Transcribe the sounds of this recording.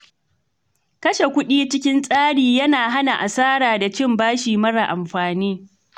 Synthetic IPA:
kɐ˦ʃe˨kʷʊ˦ɗiː˦t͡ʃɪ˦kʲɪ˦nsʼaː˦ɽiː˨jɐ˦naː˨ɦa˦na˨ʔa˨saː˦ɽaː˨da˨t͡ʃɪ˦mbaː˦ʃiː˨mɐ˦ɽa˨ʔa˨mɸaː˨niː˦

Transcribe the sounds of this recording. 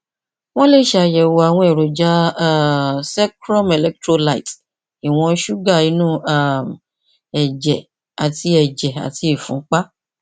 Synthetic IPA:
w̃ɔ̃˦le˦˨ʃa˧˨jɛ˨wo˧a˨w̃ɔ̃˧e˨ɾo˨d͡ʒa˧˦˨ | sɛ˦kɾɔ˦me˨lɛ˦k̚tɾo˦˧la˦˨i˨t | i˨w̃ɔ̃˧˦ʃu˦ɡa˦˨i˨˦nũ˦a˦˨m | ɛ˨d͡ʒɛ˨ | a˨ti˧ɛ˨d͡ʒɛ˨a̰˨tʰi˧i˨fũ˨˦k͡pa˦

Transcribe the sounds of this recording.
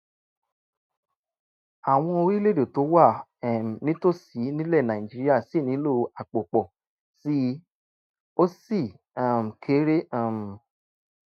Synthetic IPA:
a˨w̃ɔ̃˧o˧ɾi˦le˦do˨to˨˦wa˦˨ɛ˨m˨nĩ˦to˦si˨˦nĩ˦lɛ˦˨nã˨ĩ˨d͡ʒi˦ɾi˦a˦˨si˦˨nĩ˨˦lo˦˨a˨k͡po˨k͡pɔ˨ | si˦ | o˦si˦˨ | ã˨m˨kʰe˨˦ɾe˦ã˦˨m˨

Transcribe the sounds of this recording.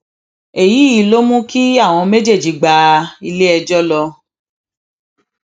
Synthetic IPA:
e˨ji˨˦i˨lo˦mũ˦ki˦a˦˨w̃ɔ̃˧me˦d͡ʒe˦˨d͡ʒi˨˦ɡ͡ba˧i˧le˦ɛ˧d͡ʒɔ˦lɔ˧

